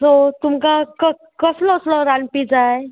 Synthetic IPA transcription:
sot̪umkakə | kəslɔsləɾanpid͡zaj

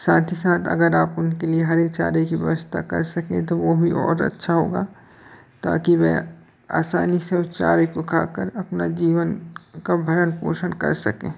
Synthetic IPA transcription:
saːt̪ʰisaːt̪ʰə̰ɡəɾaːpʊnkelieɦɐɾet͡ʃa̰ːɾekiʋɛ̰ʋəst̪ʰakɐ̰ɾsɐkẽt̪oʋobʱiʔɔːɾɐ̰tːʃʰaɦoːɡa | t̪a̰ːkiʋɛ̰ | a̰ːsaːniseʊt̪t͡ʃa̰ːɾekokaːkəɾɐpnad͡ʒiːʋənkabʱəɾənpo̰ːʃənkɐ̰ɾsɐkḛ̃ː

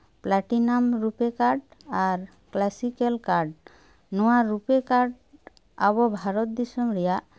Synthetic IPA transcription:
plaʈinamɾupekaɾɖaɾ | klasikelkaɾɖ | nɔwaɾupekaɾɖ | abɔbʱaɾɔt̪̚d̪isɔmɾɛjaʔ

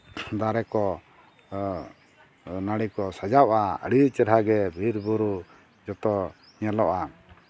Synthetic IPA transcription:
d̪aɾɛkɔ | naɽikɔsad͡ʒawʔaə̰ɽit͡ʃəɾɦaɡɛbʱiɾbuɾu | d͡ʒɔt̪ɔ | ɲalɔʔa

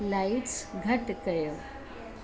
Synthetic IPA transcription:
laiʈt͡sɡʱəʈkəjə

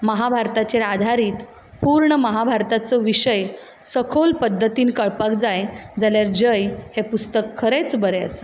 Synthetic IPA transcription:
məɦabʱaɾt̪at͡ɕeɾad̪ʱaɾiːt̪ | puːɾɳəməɦabʱaɾt̪at͡səʋiɕəj | səkʰolpəd̪ʱːət̪iːnkəɭpakd͡zajd͡zaljaɾd͡ʑəjhepust̪əkʰːəɾet͡sbəɾeə̰s

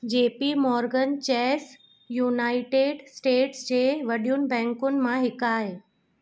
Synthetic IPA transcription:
d͡ʑeːpimɔːɾɡənt͡ɕɛːs | juːnaːɪʈeːɖsʈeːʈsd͡ʑeːʋɐɗijunɪ̆bɛ̃ːŋkʊnɪ̆mãɦɪkaːɦe

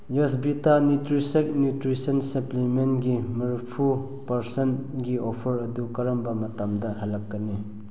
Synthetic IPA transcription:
jɔsbitanutɾisek̚njutɾisɐnsɐplimenɡimɐɾpʰu | pɐɾsənɡiopʰɐɾɐd̪ukɐɾɐmbɐmɐtamdɐɦalːɐkːɐni

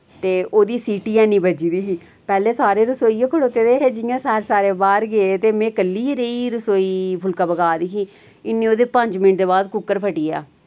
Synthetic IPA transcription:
t̪eːoːd̪iːsiːʈiːãːnĩːbəd͡ʒiːd̪iːsiː | pɛːleːsaːɾeːɾəsoːiːãːkʰəɽoːt̪eːd̪eːɦeːd͡ʒɪjãːsaːɾsaːɾeːbaːɾɡeet̪eːmẽːkəlːiːɾeiːɾəsoːiːpʰʊlkaːbəɡaːd̪iːsiː | ɪnːẽːoːd̪eːpə̃ɲd͡ʒmɪnʈd̪eːbaːd̪kʊkːəɾpʰəʈiːa̰ː

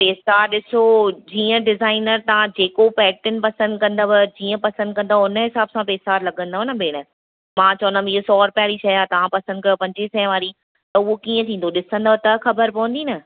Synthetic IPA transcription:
peːsaːɾɗɪsod͡ʑiːə̃ɖɪzaːɪnəɾt̪ɐʋ̤ãd͡ʑeːkopɛːk̚ʈɪnɪ̆pɐsə̃nd̪kɐ̃nd̪abɪd͡ʑiːə̃pɐsə̃nd̪̚kɐ̃nd̪aʊnəɦɪsaːbsãpeːsaːɾlɐɡə̃nd̪aɦnɐbʱeːɽ̃ə | mãːt͡ɕɐʋənd̪miɦosɔːɾʊpjaːɾit͡ɕʰɐjaːt̪ɐʋãpɐsə̃nd̪̚kɐjopɐ̃ɲd͡ʑɪsɛ̃ːʋaːɾi | t̪ɐʊɦokiːə̃t̪ʰĩːn̆d̪oɗɪsə̃nd̪aːt̪ɐxɐbəɾpɐʋə̃nd̪iːnɐ

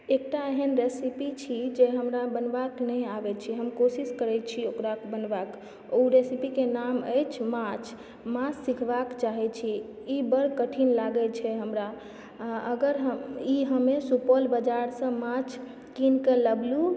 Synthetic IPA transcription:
ek̚ʈaeɦənɾesipit͡ʃʰid͡ʒeɦəmɾabənbaknəjabɛt͡ʃʰiɦəmkosiskəɾɛt͡ʃʰiokɾakbənbak | ouɾesipikenamə̰jt͡ʃʰmãt͡ʃʰ | mãt͡ʃsikʰbakt͡ʃaɦɛt͡ʃʰiː | bəɽkəʈʰinlaɡɛt͡ʃʰɛɦəmɾa | əɡəɾɦəiɦəmesupolbəd͡ʒaɾsə̃mãt͡ʃʰ | kinkeləblu

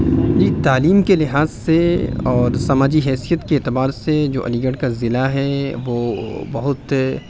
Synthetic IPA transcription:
d͡ʒiːt̪aːliːmkelɪɦaːzseɔːɾsɐmaːd͡ʒiɦɛːsijət̪keeːt̪ɪbaːɾsed͡ʒo̰ːʔɐ̰liːɡəɽkazɪlaɦɛʋoːbɐɦʊt̪

